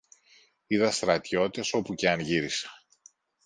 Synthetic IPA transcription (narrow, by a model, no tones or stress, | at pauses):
iðɐst̪ɾɐt̪ço̞t̪it̪eso̞puceɐnʝiɾise̥